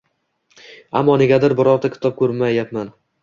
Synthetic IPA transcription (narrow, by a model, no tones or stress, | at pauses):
a̰mːɒne̞ɡʲad̪ɪɾbɒɾɒɾt̪ʰakʰʲɪ̥t̪ʰɒp̚kʰɵɾmajːapman